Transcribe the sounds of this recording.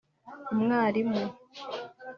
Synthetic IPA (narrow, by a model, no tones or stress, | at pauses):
umŋaːɾimu